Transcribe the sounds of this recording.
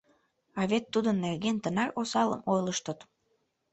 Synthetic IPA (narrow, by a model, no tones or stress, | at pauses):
ɑβet̪ːud̪ənːerɣent̪ənɑrosɑlə̰mojləʃt̪ət̪